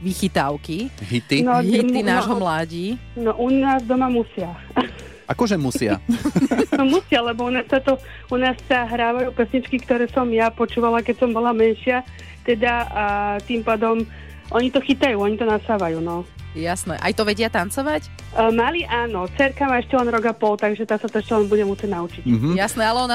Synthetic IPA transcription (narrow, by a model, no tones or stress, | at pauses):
ʋixit̪aʊkiɦit̪inɔitːinaːʒɦɔmlaːɟinɔʔunaːzd̪ɔmamusɪa | ʔakɔʒɛmusɪa̰ | nɔmusɪalɛbɔunaːsːat̪ɔ | unaːsːaɦɾaːʋajuːpɛsɲit͡ʃkikt̪ɔɾɛːsɔmjapɔt͡ʃuːʋalakɛcsɔmbɔlamɛnʃɪa | t̪ɛd̪at̪impaːd̪ɔm | ʔɔɲit̪ɔxit̪ajuːɔɲit̪ɔnasaːʋajuːnɔjasnɛʔa̰jt̪ɔʋɛɟɪat̪ant͡sɔʋac | maliʔaːnɔt͡sɛɾkamaːɛʃcɛlɛnɾɔɡapɔlt̪aɡʒɛt̪aːsat̪ɔɛʃcɛlɛnbuɟɛmusɛɟnaut͡ʃicɦjasnɛalɛɔna